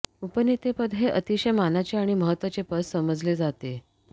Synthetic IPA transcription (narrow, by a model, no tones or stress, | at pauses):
upənːit̪epəd̪ʱɦeʔət̪iɕəjmanat͡ɕeaɽ̃iməɦət̪ːʋat͡ɕepəsːəməd͡zled͡zat̪e